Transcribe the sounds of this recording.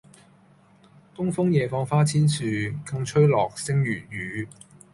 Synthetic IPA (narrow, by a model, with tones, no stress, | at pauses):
kʊ˥ŋfʊ˥ŋjɛː˨˧fɔː˧ŋfaː˥t͡sʰiː˥nsyː˨˧kɐ˧ŋt͡ʃʰɵ˥ɥlɔː˨˩k̚sɪ˥ŋjyː˨˩jyː˨˥